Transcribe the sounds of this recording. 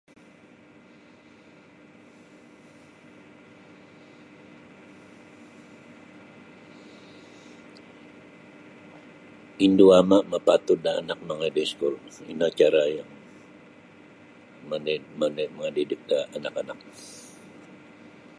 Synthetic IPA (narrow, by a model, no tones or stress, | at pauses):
induamaʔməpat̪udaːnak̚məŋadɛskʊlḭnat͡ʃaɾajaŋ | məmanaməŋadidɪk̚daːnakanak̚